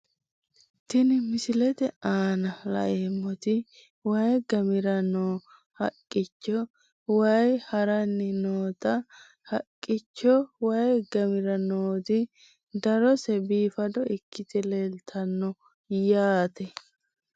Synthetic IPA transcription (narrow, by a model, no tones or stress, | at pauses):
t̪ɪnɪmɪsɪlɛt̪ɛaːnɐlɐ̰ʔeːmːɔt̪ɪ | wɐjɡɐmɪɾɐnoː | hɐkʼːɪt͡ʃːɔ | wɐjhɐɾɐnːɪnoːt̪ɐ | hɐkʼːɪt͡ʃːɔwɐjɡɐmɪɾɐnoːt̪ɪ | d̪ɐɾɔsɛbiːfɐd̪ɔɪkʰːɪt̪ɛlelt̪ʰɐnːɔ | jaːt̪ɛ